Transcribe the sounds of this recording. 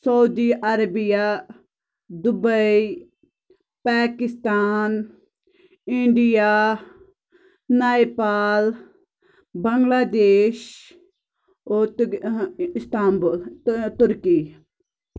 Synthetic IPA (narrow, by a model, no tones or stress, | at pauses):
sɐud̪iʔɐɾɐbija | d̪ʊbəi | paːkɪst̪aːn | ɪ̃ɳɖija | naːepaːl | bɐŋɡlaːd̪eːʃ | o | ɪst̪aːmbult̪ʊɾki